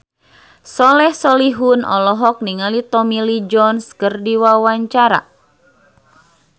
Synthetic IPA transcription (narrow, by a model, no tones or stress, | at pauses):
sɔlɛhsɔliɦunɔ̰lɔɦɔk̚niŋalit̪ɔmilid͡ʒɔnskərdiwawaɲt͡ʃaɾa̰